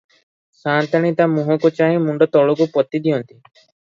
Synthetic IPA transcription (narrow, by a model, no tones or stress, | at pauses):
sant̪aɽ̃it̪amũɦɔ̃kut͡ʃaɦĩmuɳɖɔt̪ɔɭukupɔt̪id̪iɔnt̪i